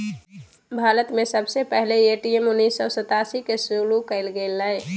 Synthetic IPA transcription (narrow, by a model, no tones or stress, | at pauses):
bʱaːɾət̪mẽsəbsepɛɦleeːʈiemʊnːiːsːɔsət̪aːsikesulukəɪlɡeːləe